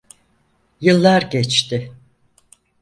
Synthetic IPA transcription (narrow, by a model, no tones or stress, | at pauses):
jɯlˠːaɾɟɛt͡ʃt̪ɪ